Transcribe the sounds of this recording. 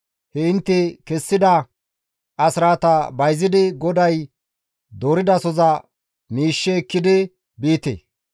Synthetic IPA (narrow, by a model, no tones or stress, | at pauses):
hɛɪnt̪ːɪkɛsːɪd̪ɐ | ʔɐsɾaːt̪ɐbɐjzɪd̪ɪɡɔd̪ɐj | d̪oːɾɪd̪ɐsɔzɐ | miːʃːɛɛkːɪd̪ɪ | biːt̪ḛː